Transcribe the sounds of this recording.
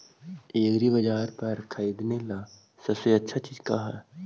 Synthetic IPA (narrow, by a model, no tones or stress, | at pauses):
eːɡɾibəd͡ʒaːɾpəɾkʰaid̪nela | sɐbseɐtːʃʰat͡ʃiːd͡ʒkaɦɛː